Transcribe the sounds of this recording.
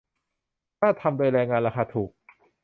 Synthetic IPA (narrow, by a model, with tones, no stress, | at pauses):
kaː˥˩t̪ʰa˧mdoː˧jɾɛː˧ŋaː˧nɾaː˧xaː˧t̪ʰuː˨˩k̚